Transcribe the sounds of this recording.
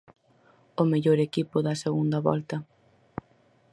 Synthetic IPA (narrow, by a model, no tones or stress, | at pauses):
ʊmeʎoɾekipʊðɐseɣund̪ɐβɔ̰lt̪ɐ